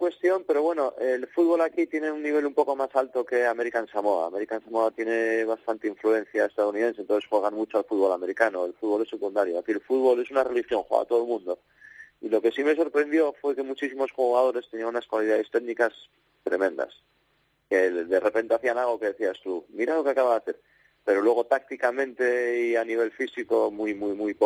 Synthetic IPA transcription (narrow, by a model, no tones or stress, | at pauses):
kwe̞st̪jo̞mpe̞ɾo̞βwe̞no̞ʔelfuðβo̞lakit̪je̞neunːiβ̞e̞lumpo̞ko̞masalt̪o̞ke̞ame̞ɾikaensamo̞a̰me̞ɾikaensamo̞at̪je̞ne̞β̞ast̪ant̪eiɱfluẽ̞n̟θjaest̪aðuniðe̞ns̬ent̪onθexwe̞ɣanmut͡ʃoalfuðβo̞lame̞ɾikano̞e̞lfuðβo̞lesekund̪aɾjoakielfuðβo̞lesunare̞lixjo̞ŋxwḛɣa̰t̪oðolmũnd̪o̞ | ilo̞ke̞sime̞so̞ɾpɾe̞nd̪jo̞fwe̞ke̞mut͡ʃis̬imo̞sxuɣað̞o̞ɾe̞st̪eniãnunaskwalið̞aðe̞st̪e̞ɣnikas | t̪ɾe̞mẽ̞nd̪a̰s | keðe̞re̞pe̞nt̪e̞aθianalɣ̞o̞ke̞ðe̞θiast̪umiɾalo̞keakaβaðaθe̞ɾ | pe̞ɾolwe̞ɣ̞o̞t̪ak̚t̪ikamẽ̞nt̪e̞ianiβ̞e̞lfisiko̞mujmujmujpo